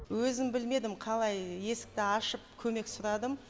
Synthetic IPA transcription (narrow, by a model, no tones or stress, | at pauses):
wɵzɪmbɪlme̞d̪ɪmqʰɑlˠɑjːe̞sɪ̥k̚t̪ɪɑʃəp̚kʲʰɵme̞ksʊɾɑd̪əm